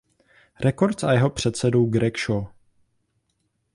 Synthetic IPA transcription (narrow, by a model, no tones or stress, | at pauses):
ɾɛko̞ɾt̪t͡sajɛɦo̞pr̝̥ɛt̪sɛduwɡɾɛkʃo